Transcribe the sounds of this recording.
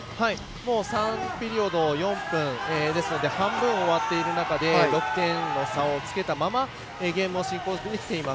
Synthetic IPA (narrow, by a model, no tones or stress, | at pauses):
hai | mo̞ːsãmpʲiɾʲio̞d̪o̞jõ̞mpɯ̟̃ɴeːd̪e̞sɨno̞d̪e̞hãmbɯ̟̃ɰo̞βat̪ːe̞iɾɯ̟nakad̪e̞ɾo̞kɯ̟̥t̪ẽ̞nːo̞saot͡sɨ̥ke̞t̪amama | eːɡe̞ːmɯoɕĩŋko̞ːɕt̪eikʲt̪ːe̞imas